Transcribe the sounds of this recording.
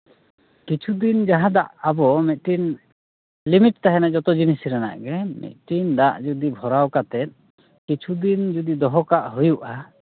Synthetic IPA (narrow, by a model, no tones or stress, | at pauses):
kit͡ʃʰud̪ind͡ʒaɦãd̪aʔabɔmɛt̪̚ˀʈin | limiʈ̚t̪aɦɛnad͡ʒɔt̪ɔd͡ʒinisɾɛna̰ʔɡɛmɛ̰t̪̚ʈind̪aʔd͡ʒud̪ibʱɔɾawkat̪ɛt̪̚ | kit͡ʃʰud̪ind͡ʒud̪id̪ɔɦɔkaʔɦujuʔa